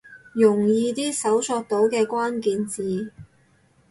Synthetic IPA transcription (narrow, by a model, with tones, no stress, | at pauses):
jʊ˨˩ŋjiː˧t̪iː˥sɐ˨˥wsɔː˧k̚t̪o˨˥wkɛː˧kʷaː˥nkiː˧nt͡siː˨˧